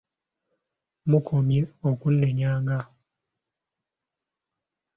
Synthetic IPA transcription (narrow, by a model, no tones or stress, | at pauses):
mukʰomjeokun̩ːɛɲaːŋɡa